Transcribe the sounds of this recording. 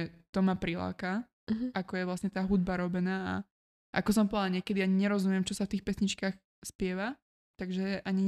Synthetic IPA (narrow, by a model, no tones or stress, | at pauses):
ɛt̪ɔmapɾila̰ːka | ʔakɔjɛʋlasɲɛt̪aːɦud̪̚baɾɔbɛnaːa̰ | ʔa̰kɔs̬ɔmpɔʋaɲɪɛkɛd̪iaɲiɲɛɾɔzumjɛmt͡ʃɔsaft̪iːxpɛsɲit͡ʃkaːx | spɪɛʋa | t̪aɡʒɛʔaɲi